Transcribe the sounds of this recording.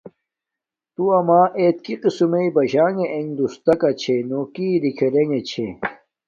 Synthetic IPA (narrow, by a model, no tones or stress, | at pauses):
t̪uɐmaːʔet̪̚kiqisumeibɐʑaːŋeʔeŋd̪ust̪ɐkɐt͡ɕʰenoːkiːɾikʰeɾeŋet͡ɕʰe